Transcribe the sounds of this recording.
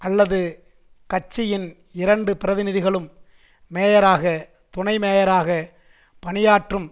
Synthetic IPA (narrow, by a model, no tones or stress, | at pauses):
ʔɐlːɐðɯ | kɐt͡ʃːɪjɪn | ɪɾɐɳɖɯpɪɾɐðɪnɪðɪɣɐɭɯmː | eːjɐɾaːɣɐ | t̪ʊɳɐɪmeːjɐɾaːɣɐ | pɐnɪjaːʈrɯm